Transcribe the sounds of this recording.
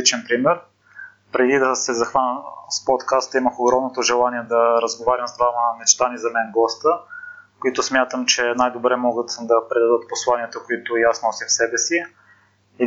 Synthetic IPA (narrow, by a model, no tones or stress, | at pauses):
it͡ʃɛnpɾimɛɾ | pɾɛd̪id̪ɐsɛzɐxvanʲəspot̪kast̪iməxoɡɾɔmnot̪oʒɛlˠaniɛd̪ɐɾəzɡovaɾʲimzd̪vaməmɛt͡ʃt̪anizɐmɛnɡɔst̪ə | koit̪ʊsmʲjat̪əmt͡ʃɛnajd̪obɾɛmɔɡət̪d̪ɐpɾɛd̪ad̪ɤt̪̚poslˠaniət̪əkoit̪ojasnɔsifsɛbɛsi | i